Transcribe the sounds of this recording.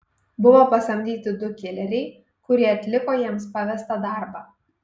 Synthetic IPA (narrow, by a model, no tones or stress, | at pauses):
bʊʋoːpɐsɐmʲd̪ʲiːt̪ʲɪd̪ʊkʲɪlʲɛɾʲɛɪ | kʊɾʲiɛɐt̪ʲlʲɪkoːjiɛmspɑʋʲɛst̪ɐd̪ɑˑɾbɑː